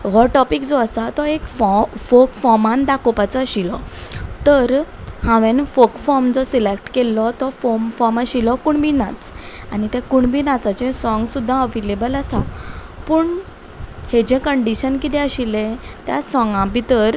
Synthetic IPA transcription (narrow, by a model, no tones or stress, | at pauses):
ʋɔʈɔpikd͡zɔəsat̪ɔekfɔfokfɔmãnd̪akopat͡sɔɕilɔt̪əɾhãʋẽnfokfɔɾmd͡zɔsilekʈkelːɔt̪ɔfɔmfɔɾmaɕilɔkuɳbʱiːnat͡s | aɽ̃it̪ɛ̃kuɳbʱiːnat͡sat͡ɕẽsɔ̃ŋɡsud̪ʱːãəʋelebələsa | puːɳ | hed͡ʑẽkəɳɖiɕənkit̪ɛ̃əɕilẽt̪jasɔ̃ŋɡãbʱit̪əɾ